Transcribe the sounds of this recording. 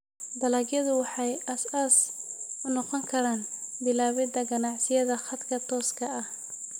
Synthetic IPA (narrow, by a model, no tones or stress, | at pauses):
b̪ɐlaːɡjɐðʊwɑħɑjʔɐsɐsʊnɔqɔŋkʰɐɾaːnbɪlaːβɛd̪ɐɡɐnɑʕsɪjɐðɐχɐd̪kʰɐt̪ʰɔːskʰɐɐh